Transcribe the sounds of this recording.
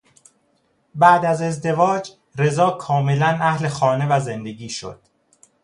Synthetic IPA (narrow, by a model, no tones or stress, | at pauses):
bæːd̪æze̞zd̪e̞vɒːd͡ʒ | ɾe̞zɒːkʰɒːme̞lænæhle̞xɒːne̞væze̞nd̪e̞ɡiːʃo̞̰d̪̥